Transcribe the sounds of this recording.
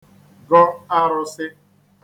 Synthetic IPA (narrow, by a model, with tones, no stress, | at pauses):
ɡɔ˦a˦ɾʊ˨sɪ˦